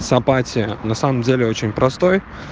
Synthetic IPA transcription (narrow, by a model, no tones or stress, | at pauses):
sɐpatʲɪənɐsaməmdʲelʲɪo̞t͡ɕɪnʲpɾɐst̪o̞j